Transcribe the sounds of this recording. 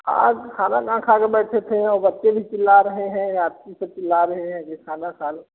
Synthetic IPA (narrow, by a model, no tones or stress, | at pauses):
kʰa̰ːkʰaːnakãːkʰakebɛːʈʰet̪ʰẽɔːɾbɐtːt͡ʃebʱit͡ʃɪlːaɾɐɦeɦɛ̃ɾaːd̪̚kisət͡ʃɪlːaɾɐɦeɦɛ̃kekʰaːnakaːl